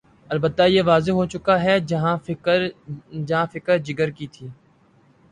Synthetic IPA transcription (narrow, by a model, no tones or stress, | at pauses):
ɐlbət̪ːajeːʋaːzeɦoːt͡ʃʊkaɦɛɦãɾd͡ʒɐɦãfɪkəɾd͡ʒɪɡəɾkit̪ʰiː